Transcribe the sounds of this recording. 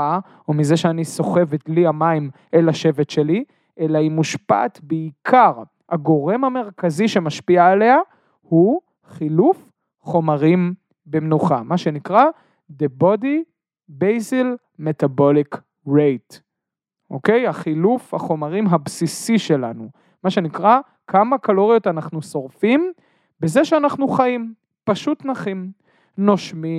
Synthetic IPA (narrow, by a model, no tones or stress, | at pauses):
a | omize̞ʃeaniso̞χe̞vetliamaim | elaʃe̞vetʃe̞li | ʔelaimuʃpa̰t̪beikʰaʁ | haɡo̞ʁe̞mhame̞ʁkaziʃe̞maʃpiaːle̞a | hu | χiluf | χo̞maʁim | bemnuχamaʃe̞nikʁa | d̪ebo̞di | bejzil | me̞tabo̞lik | ʁejt | ʔo̰ke̞jaχilufhaχo̞maʁimɦabsisiʃe̞la̰nu | maʃe̞nikʁa | kʰamakalo̞ʁjo̞tanaχnuso̞ʁfim | bezeʃeanaχnuχaim | paʃutnaχim | no̞ʃmi